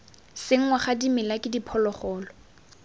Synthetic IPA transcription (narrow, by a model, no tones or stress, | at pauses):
sɪŋ̩waχadimɪlakʼɪdipʰɔlɔχɔːlɔ